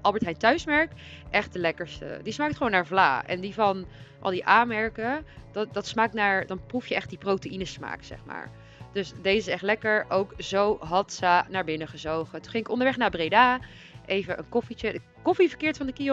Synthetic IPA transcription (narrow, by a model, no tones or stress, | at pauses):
ʔɑlˠbəɹtɦɛjntœɥsmɛɹk | ʔɛχt̚dəlɛkəɹstə̰dismaːk̚təχəʋownːaːɹvla̰ːɛ̰ndivɑnʔɑ̰lˠdiʔaːmɛɹkəddɑtsmaːk̚naːɹdɑnprufjəʔɛχt̚diprowteinəsma̰ːksɛ̰χma̰ːɹ | d̥øsdejəsɛχtlɛkəɹʔowkzowɦɑtsənaːɹbɪnəχəzowχətuχɪŋɪkɔndəɹʋɛχnaːɹbrejdaː | ʔejvəʔənkɔfit͡ʃə | kɔfivəɹkɪːɹtfɑndəki